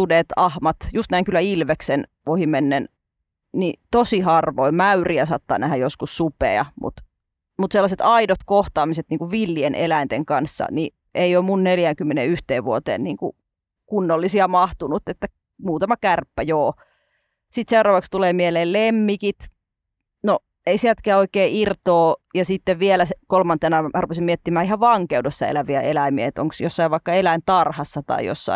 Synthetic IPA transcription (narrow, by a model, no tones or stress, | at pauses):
tudet̪ɑhmɑt̪just̪næiŋkylːæilʋeksen | ohimenːen | nit̪osihɑrʋoimæyriæsɑːt̪ːɑ̰ːnæhæjoskussupḛɑ̰mṵt̪ | mut̪selːɑset̪ɑidot̪koht̪ɑːmiset̪niːŋkuʋʋilːienʔḛlæint̪eŋkɑnsːɑ̰ni | ʔeiomunneljæŋkymːenḛyht̪eːʋʋuot̪ḛːnniːŋkṵ | kunːolːisiɑmɑht̪unut̪ːet̪ːæ | muːt̪ɑmɑkærpːæjoː | sit̪seurɑːʋɑkst̪uleːmieleːllemːikit̪ | no | eisielt̪kæːoikeːirt̪oːjɑsit̪ːeʋʋielæsekolmɑnt̪enɑmærupesimmiet̪ːimæːihɑʋʋɑŋkeudosːɑḛlæʋiæelæmiḛet̪o̰ŋksjosːɑiʋʋɑikːɑelæint̪ɑrhɑsːɑt̪ɑ̰ḭjo̰sːɑ̰i